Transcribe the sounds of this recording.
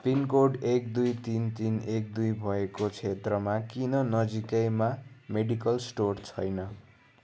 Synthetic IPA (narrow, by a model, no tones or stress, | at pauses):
pinkoɖek̚d̪ujt̪int̪inek̚d̪ujbʱʌekot͡sʰet̪rʌmakinʌnʌd͡zikʌjmameɽikʌlsʈort͡sʰʌjnʌ